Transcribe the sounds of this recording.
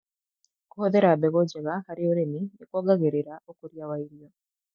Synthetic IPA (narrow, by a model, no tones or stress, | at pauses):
kohoðɛɾabɛɣɔd͡ʒɛɣahaɾeoɾeminekwɔɡaɣeɾeɾaʔokoɾjawaiɾiɔ